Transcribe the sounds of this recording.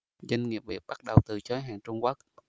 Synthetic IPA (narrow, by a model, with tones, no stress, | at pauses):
za˧ŋŋi˨˩əp̚ɓḭ˨˩əp̚ɓa˦˥ɗə˨˩wt̪ɨ˨˩t͡ɕə˨˦jɦaː˨˩ŋt͡ɕʊ˧ŋ͡mkwu˦˥k̚